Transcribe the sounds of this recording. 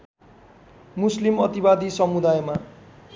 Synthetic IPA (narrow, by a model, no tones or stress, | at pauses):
muslimʌt̪ibad̪isʌmud̪ajma